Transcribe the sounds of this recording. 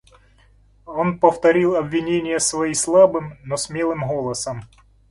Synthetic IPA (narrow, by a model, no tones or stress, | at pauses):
o̞npəft̪ɐɾʲilˠɐbvʲɪnʲenʲɪjəsvɐislˠabɨmnosmʲelˠɨmɣolˠəsəm